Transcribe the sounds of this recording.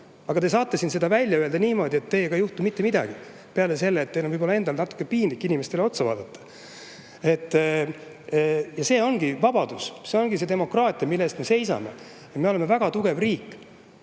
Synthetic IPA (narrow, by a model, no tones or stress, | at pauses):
ɑɡ̥ɑt̪es̬ɑːt̪ːˑesinse̞d̪ɑvælʲːjɑøeld̪ɑniːmo̞ːd̪ie̞t̪ːe̞jekɑjuht̪umit̪ːe̞mid̪̥ɑ̰ɡ̥i | pe̞ɑlese̞lːeːt̪ːejlomvɯjbpolɑend̪ɑlnɑt̪ːˑu̥kːˑepiːnlikːˑinimest̪eleo̞t̪sɑvɑ̰ːd̪ɑt̪ːɑ̥ | e̞t̪ː | jɑse̞ːo̞nɡ̥ivɑb̥ɑd̪̥usse̞o̞nɡ̥ise̞d̪e̞mo̞krɑːt̪ˑiɑmilːest̪me̞se̞jsɑ̰me | et̪me̞o̞le̞mevæɡ̥ɑt̪uɡ̥e̞vriːkːˑ